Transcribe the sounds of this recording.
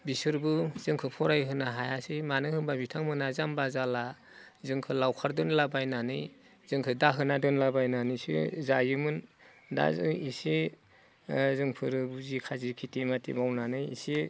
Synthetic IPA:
bisɯɾbɯz̥ɯŋkʰɯpʰɔɾajɦɯnaɦajasimanɯhɯŋbabitʰaŋmɯnazambazala | zɯŋkʰɯlawkʰaɾdɯnlabajnanɯj | z̥ɯŋkʰɯdaɦɯnadɯnlabajnanɯjsɯ̰zajɯmɯn | da̰zɯisi | zɯŋpʰɯɾbuzikʰazikʰitimatḭbawnanɯjḭsi

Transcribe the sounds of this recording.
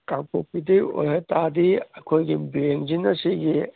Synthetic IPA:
kaŋpopidio̰jɦetadiɐkʰojɡibiɾeŋd͡ʒinɐsiɡi

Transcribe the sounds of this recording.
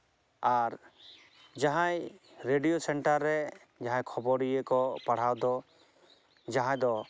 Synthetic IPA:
aɾ | d͡ʒaɦãj | ɾeɖijosɛɳʈaɾːɛ | d͡ʒaɦãjkʰɔbɔɾijekɔpaɽ̤awd̪ɔ | d͡ʒaɦãd̪ɔ

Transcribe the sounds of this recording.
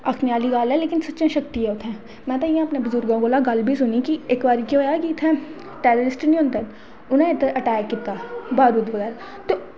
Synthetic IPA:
ɐkʰnijaːliɡaːlɛ̃leːkɪnsɐtːʃẽʃɐk̚t̪iɦɛʊt̪ʰɛ̃ː | mɛ̃ːt̪aĩjãɐpnebʊzʊɾɡãɡoːlaɡɐlbʱisʊnikieːkbaːɾkjõːjakit̪ʰɛ̃ | ʈeːɾoːɾɪsʈnĩɦʊ̃nt̪ɛ̃ | ʊnẽet̪ʔɐʈɛːkːiːt̪abaːɾuːd̪ʋɐɣɛːɾa | t̪o

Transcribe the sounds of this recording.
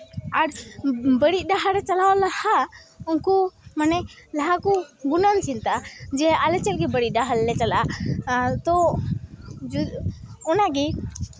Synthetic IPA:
aɾbəɽiʔ̚ˀɖaɦaɽɛt͡ʃalawalahaunkɔmanɛlaɦakɔɡunant͡ʃint̪ad͡ʒɛalɛt͡ʃɛlɡɛbəɽiɖaɦalɛt͡ʃala | t̪ɔ | d͡ʒ | ɔnaɡi

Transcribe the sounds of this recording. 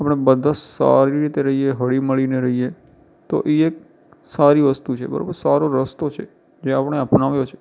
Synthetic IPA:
apəɳ̃ebəd̪ʱãsa̰ɾiɾit̪eɾəɦieɦəɭiməɭineɾəɦije | t̪o̰ʔeek̚ | saɾiʋəst̪ut͡ʃʰḛbə̰ɾa̰bəɾsaɾoɾəst̪ot͡ʃʰe | d͡ʒeapəɳ̃eapnaʋjot͡ʃʰe̥

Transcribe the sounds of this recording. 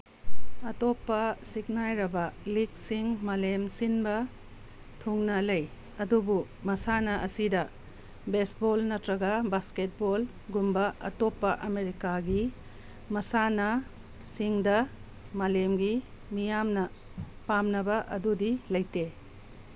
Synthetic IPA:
ɐtopːɐsik̚najɾɐbɐlik̚siŋmalemsinbɐ | tʰuŋnɐlɐj | ɐdubu | mɐsanɐʔɐsidɐ | besbolnɐtɾɐɡɐbasket̚bol | ɡumbɐɐ̰topːɐʔɐmeɾikaɡi | mɐsanɐ | siŋdɐ | malemɡimijamnɐ | pamnɐbɐʔɐdudilɐjte

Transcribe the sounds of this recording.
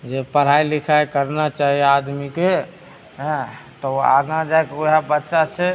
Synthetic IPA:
d͡ʒepəɾ̤ajlikʰajkəɾnat͡ʃaɦiad̪mike | ɦt̪ɔoa̰ɡãd͡ʒajkoɦabətːʃat͡ʃʰɛ

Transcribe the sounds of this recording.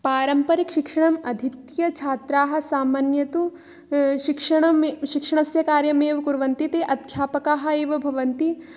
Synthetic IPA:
paːɾɐmpɐɾikʃikʂɐɳɐmɐd̪ʱit̪jɐt͡ʃʰaːt̪ɾaːɦɐ̆saːmaːnjɐt̪u | ʃikʂɐɳɐmʃikʂɐɳɐsjɐkaːɾjɐmeːʋɐkuɾʋɐnt̪it̪eːʔɐd̪kʰjaːpɐkaːɦɐ̆eːʋɐbʱɐʋɐnt̪i

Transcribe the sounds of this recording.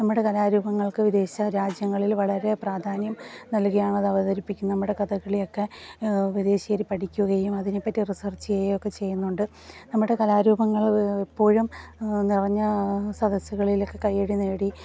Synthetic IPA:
nɐmːuɽe̞kɐlaːɾuːbɐŋːɐɭkɨʋid̪e̞ːɕɐɾaːd͡ʑjɐŋːɐɭilʋɐɭɐɾe̞praːd̪ʱaːnjɐmnɐlkɐjaːɳɐðɐʋɐðɐɾipːikʲːumnːɐmːuɽe̞kɐd̪ɐɣɐɭilo̞kːe̞ʋid̪e̞ːɕijɐɾipɐʈʰikʲːuɣɐjumɐðinepːɐtːirisɐrt͡ɕːɨejokːe̞t͡ɕe̞jːunːuɳɖɨ | nɐmːuɽe̞kɐlaːɾuːbɐŋːɐɭepːo̞ːɻumnirɐɲːɐsɐd̪ɐsuɣɐɭilo̞kːe̞kɐjːeɽine̞ːɽi

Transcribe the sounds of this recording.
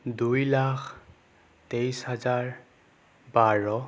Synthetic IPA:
dujlakʰ | tejshazaɹ | baɹɔ

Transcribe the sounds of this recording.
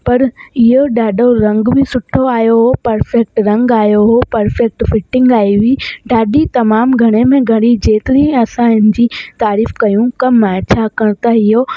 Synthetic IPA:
pɐɾɪɦoɗaːɗʱoɾɐ̃ŋɡbʱɪsʊʈʰoaːjoɦopɐɾfɛk̚ʈɾɐ̃ŋɡaːjoɦopɐɾfek̚ʈfɪʈɪ̃ŋɡaːiʋiɖaːɖit̪ɐmaːmɡʱɐɽ̃emẽɡʱɐɽ̃id͡ʑeːt̪ɪɾĩɐsãɦɪnɪd͡ʑiːt̪aːɾiːfkɐjũkɐmːãt͡ɕʰaːkɐɽ̃t̪aɪɦo

